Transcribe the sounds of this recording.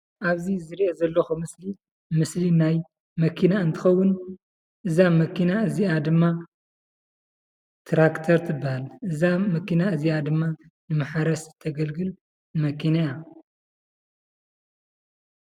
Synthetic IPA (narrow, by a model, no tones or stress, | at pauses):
ʔaβzizɨɾiʔezɐlːɐxumɨsli | mɨslinaj | mɐkʰinaɨnt̪ʰɨxɐwːʊn | ʔɨzamɐkʰinaɨziad̪ɨmːa | t̪ʰɾakt̪ʰɐɾt̪ʰɨbːahalʔɨzamɐkinaɨziad̪ɨmːanɨmaħaɾɐst̪ʰɐɡɐlɡɨl | mɐkʰinaja